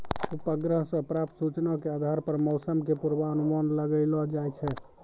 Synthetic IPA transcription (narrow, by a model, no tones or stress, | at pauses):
upəɡɾəɦsə̃pɾap̚t̪sut͡ʃnakead̪ʱaɾpəɾmɔʊsəmkepuɾbaənumanləɡəlɔd͡ʒajt͡ʃʰɛ